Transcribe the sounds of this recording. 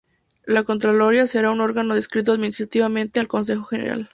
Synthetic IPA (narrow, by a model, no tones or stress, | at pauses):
lako̞nt̪ɾalo̞ɾjase̞ɾauno̞ɾɣanoðeskɾit̪̬oaðminist̪ɾat̪iβamẽ̞nt̪e̞alko̞ns̬e̞xo̞xe̞neɾa̰l